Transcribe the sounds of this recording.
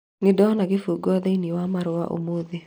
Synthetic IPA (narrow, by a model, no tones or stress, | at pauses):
nɪdɔnaɡɪfuɡɔd̪einiwamaɾwa̰ʔo̰moði